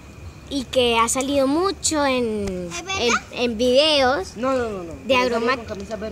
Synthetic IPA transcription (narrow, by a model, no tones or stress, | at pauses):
ike̞asaliðo̞mut͡ʃo̞en | embiðeosnonnoðeaɣɾoma